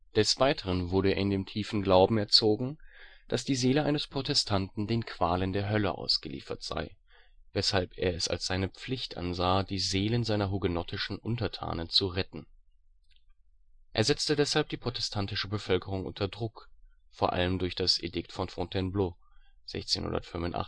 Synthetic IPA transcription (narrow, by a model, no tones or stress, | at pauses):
d̥ɛsv̥aɪtʰəʁənvʊɐɾə̰ɐɪndeːmtʰiːfn̩ɡlaʊbm̩ɛɐt͡soːɡŋ̩d̥asd̥iːzeːləʔaɪnəspʁ̥otʰɛstʰantn̩deːnkʰv̥aːləndeːɐɦœlə̰ʔa̰ʊsɡ̥əlḭːfɐtz̥a̰ɪ | vɛshalpḛːɐɛsa̰lsz̥aɪnəp͡flɪçtʔa̰nzaːd̥iːzeːlənzaɪnɐɦuɡənɔtʰɪʃn̩ʔʊntɐtʰa̰ːnənt͡suʁɛtn̩ | ʔḛːɐzɛt͡stədɛshalp̚d̥iːpʁ̥otɛstʰantɪʃəbəfœlkəʁʊŋʔʊ̰ntʰɐdʁʊkfoːɐʔa̰ləmdʊɐçd̥asʔḛdɪktfɔnfɔ̃tʰɛnbloːz̥ɛ̰çt͡seːnhʊ̰ndɐ̰tfʏmvʊnta̰